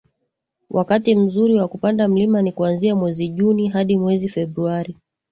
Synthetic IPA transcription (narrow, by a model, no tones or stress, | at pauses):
wʔakatim̩zuɾiwakupandam̩limanikuanziamwɛziʄuniɦaɗimwɛzifɛbɾuaɾi